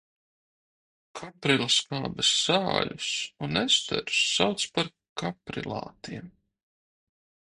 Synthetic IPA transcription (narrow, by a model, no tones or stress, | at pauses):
kʰapɾilˠaskaːbɛsz̥aːlʲusunɛst̪ɛ̰ɾsːawt̪spaɾ | kapɾḭlˠa̰ːt̪iɛm